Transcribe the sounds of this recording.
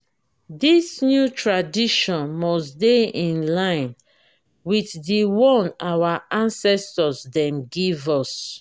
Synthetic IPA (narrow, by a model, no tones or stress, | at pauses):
disnjutɹadiʃɔ̃nmɔsdeĩnlãɪ̃n | wiθdiwɔ̃nawaʔãnsɛstɔsdɛ̃mɡivɔs